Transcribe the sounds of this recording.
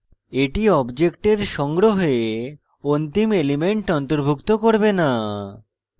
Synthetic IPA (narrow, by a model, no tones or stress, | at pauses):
eʈiɔbd͡ʑekʈeɾʃɔŋɡɾoɦe | ont̪imelimeɳʈɔnt̪oɾbʱukt̪okoɾbena